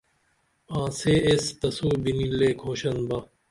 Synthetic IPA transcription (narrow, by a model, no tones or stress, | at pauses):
ãːseːest̪ɐsuːbinileːkʰoːɕənbɐ